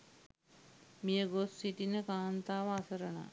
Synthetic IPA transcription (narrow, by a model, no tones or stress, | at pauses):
mijəɡosːiʈinəkaːnt̪aːʋɐasɐɾɐna̰